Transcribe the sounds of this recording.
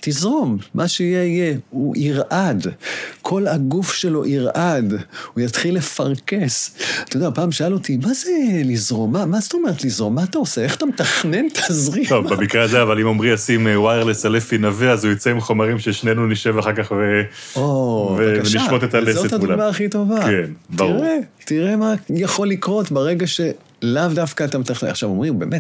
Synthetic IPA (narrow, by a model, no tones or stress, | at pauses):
t̪izʁo̞mːʔaʃeijeijeuʔiʁʔad̪kʰo̞laɡufʃe̞lo̞ʔiʁʔadujat̪χilːefaʁke̞sat̪ajod̪apaːmʃaalot̪imazelizʁo̞mːamazt̪o̞me̞ʁet̪lizʁo̞mːaːt̪aosee̞χḁt̪amet̪aχnent̪ʰazʁit̪ovbamikʁeazeavalimomʁimasimwajeʁlesalefinaveazujit͡saimχo̞maʁimʃeʃnenuniʃe̞vaχaʁkaχve | oveveniʃʃot̪et̪aezostaulabaːχito̞vakenbaʁuʁetiʁe̞majaχo̞likʁo̞tbeʁeɡaʃe̞ | lavdafkat̪amet̪aχea̰χʃavo̞mʁimbe̞ːmet